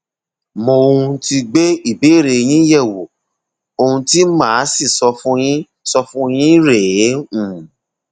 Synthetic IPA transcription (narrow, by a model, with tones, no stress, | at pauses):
mõ˧o˧ũ˧ti˧ɡ͡be˦i˦˨be˨˦˨ɾe˨j̃ĩ˦jɛ˦˨wo˨ | o˧hũ˧ti˦mãː˦si˦˨sɔ˧fũ˦j̃ĩ˦ | sɔ˧fũ˦j̃ĩ˦ɾe˨˦ũ˨